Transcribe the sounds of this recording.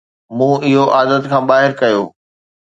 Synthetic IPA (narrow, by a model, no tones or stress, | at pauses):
mũːɪɦoʔaːd̪ət̪kʰãːɓaːɦɪɾkɐjoː